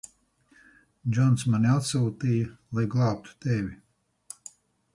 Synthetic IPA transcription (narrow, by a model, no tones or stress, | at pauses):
d͡ʒʲɔnsmaniat̪suːt̪iːjɐlˠajɡlˠɑːp̚t̪u̥t̪ɛvʲi